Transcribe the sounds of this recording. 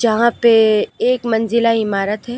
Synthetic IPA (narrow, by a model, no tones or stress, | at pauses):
d͡ʒɐɦãpeeːkmɐ̃nzɪlaɪmaːɾət̪ɦɛː